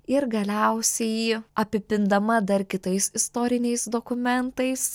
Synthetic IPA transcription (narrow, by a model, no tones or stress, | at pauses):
ɪɾɡɐlʲɛʊsʲɛjɐpʲɪpʲɪnd̪ɐmɐd̪ɐɾkʲɪt̪ɐɪsɪst̪oːɾʲɪnʲɛɪsd̪oːkʊmʲɛnt̪ɐɪs